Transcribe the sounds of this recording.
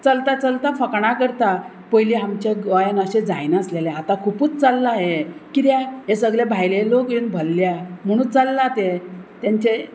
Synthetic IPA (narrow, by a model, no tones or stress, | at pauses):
t͡səlt̪at͡səlt̪afəkɳ̃akəɾt̪a | pəjliamt͡ɕeɡəjənəɕed͡za̰jnəsleleat̪akʰupuːt͡st͡səlːaɦekiɾjaɦesəɡlebʱajlelokjuːnbʱəlːjam̤əɽ̃ũːt͡səlːat̪et̪jaɲt͡ɕe